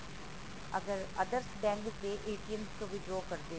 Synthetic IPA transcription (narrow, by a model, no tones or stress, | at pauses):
ɐɡəɾɐd̪əɾsɖɛ̃ːŋɡkeʔeːʈijənskoʋɪɖɾoːkɐɾd̪eː